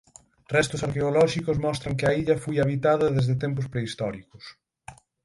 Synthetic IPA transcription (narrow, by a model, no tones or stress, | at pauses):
rɛst̪ʊsaɾkeolɔʃikʊsmɔst̪ɾɐŋkɪɐiʎɐfojaβit̪aðɐðezðɪt̪ɛmpʊspɾeist̪ɔɾikʊs